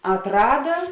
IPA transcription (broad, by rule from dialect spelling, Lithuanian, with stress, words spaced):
ɐtˈrɑːdɐ